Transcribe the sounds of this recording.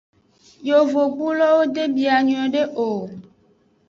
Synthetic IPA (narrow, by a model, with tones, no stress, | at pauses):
jo˨vo˨ɡ͡bu˦lɔ˦wo˦d̪e˦bi˨a˨ɲũ˨ɛ̃˨ɖe˦ʔo˨